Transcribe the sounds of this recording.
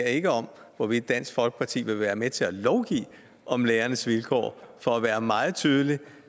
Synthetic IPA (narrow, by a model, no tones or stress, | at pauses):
ɐe̝ɡ̥əɒ̽m | ʋɒʋid̥ːæn̰sɡ̥fɒ̽lɡ̥ə̥pʰɑ̈t͡sʰḭːʋe̝ʋæːɐmet͡sʰe̝lælɒʊɡ̥ḭː | ʔɒ̽mleːɐnəsʋilkʰɒ̰ːfɒ̽æʋæːɐmɑ̈ːð̞̩ˠt͡sʰyːð̞ˠəli